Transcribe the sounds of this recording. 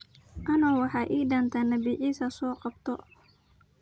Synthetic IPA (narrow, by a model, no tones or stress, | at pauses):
ʔɐnɔːwɑħɑːʔiːɖɐnt̪ʰɐnɐbiʕiːsɐsɔːqɑb̚t̪ʰɔ